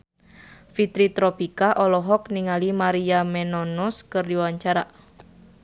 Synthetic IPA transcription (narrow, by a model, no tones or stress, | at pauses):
fit̪ɾit̪ɾɔpikaʔɔlɔɦɔk̚niŋalimaɾiamɛnɔnɔskɨrdiwaɲt͡ʃaɾa